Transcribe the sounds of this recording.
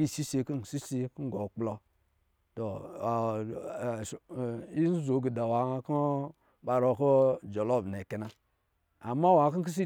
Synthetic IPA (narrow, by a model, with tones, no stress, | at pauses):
i˦˨si˦se˨ki˦˨si˦se˧kɡo˨k͡plo˧ | to˨ | i˦n̩˦zo˨˦ɡi˨da˨wa˨˦ko˦ | ba˧ɾo˧˨ko˦d͡ʒo˨lo˦˨bn˨e˨ke˨na˨ | a˨ma˦wa˨˦ki˦ki˦s̬i˦